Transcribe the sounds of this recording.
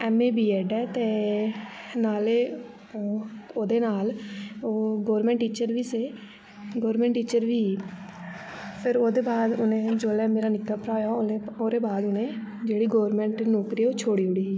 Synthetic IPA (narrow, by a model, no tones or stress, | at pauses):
ɛːmeːbiːɛːɖɛːt̪eː | naːleː | oːd̪eːnaːloːɡoːɾmɛ̃ːɳʈːiːt͡ʃəɾʋiːseː | ɡoːɾmɛ̃ːɳʈːiːt͡ʃəɾʋiː | pʰɪɾoːd̪eːbaːd̪ʊnẽːd͡ʒoːlɛ̃ːmeːɾaːnɪkːaːpəɾaːjaːleːoːɾeːbaːd̪ʊnẽːd͡ʒeːɽiːɡoːɾmɛ̃ɳʈnoːkɾiːoːt͡ʃʰoːɽiːɦʊɽiː